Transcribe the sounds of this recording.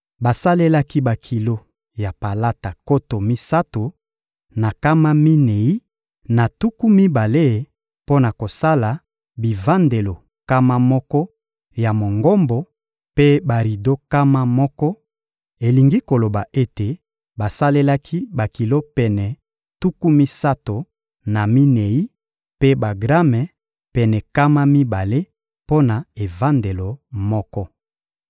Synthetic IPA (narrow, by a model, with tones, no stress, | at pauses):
ba˨sa˦le˦la˦ki˦ba˨kʰi˨lo˦ | ja˨pa˨la˦ta˨ko˦to˨mi˦sa˦to˨ | na˨ka˦ma˦mi˦ne˨i˦ | na˨tu˦ku˦mi˦ba˨le˦˨ | po˦na˨ko˨sa˦la˨ | bi˨va˦nde˨lo˨ | ka˦ma˦mɔ˦kɔ˦ | ja˨mo˨ŋɡɔ˦mbɔ˨˦ | pe˦ba˨ʁi˨do˦ka˦ma˦mɔ˦kɔ˦ | e˨li˨ŋɡi˦ko˨lo˨ba˨ʔe˦te˨ | ba˨sa˦le˦la˦kʰi˦ba˨ki˨lo˦pɛ˨nɛ˨ | tu˦ku˦mi˦sa˦to˨ | na˨mi˦ne˨i˦ | pe˦ba˨ɡʁa˦mɛ˨ | pɛ˨nɛ˨ka˦ma˦mi˦ba˨le˦ | po˦na˨e˨va˦nde˨lo˨mɔ˦kɔ˦